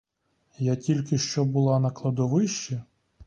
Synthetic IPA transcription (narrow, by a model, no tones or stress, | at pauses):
jatʲilʲkɪʃt͡ʃɔbʊlˠɑnɐklˠɐd̪ɔʋɪʃt͡ʃɐ